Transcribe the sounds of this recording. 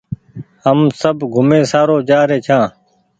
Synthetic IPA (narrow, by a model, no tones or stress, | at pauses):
həmsəbɡʱʊmẽːsaːɾoːt͡ʃaːɾeːt͡ʃʰãː